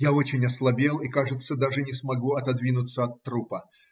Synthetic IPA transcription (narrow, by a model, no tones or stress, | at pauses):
jaot͡ɕɪnʲɐslˠɐbʲe̞lˠikaʐɨt̪səd̪aʐɨnʲɪsmɐɡuɐt̪ɐd̪vʲinʊt̪sːəɐt̪ːɾupə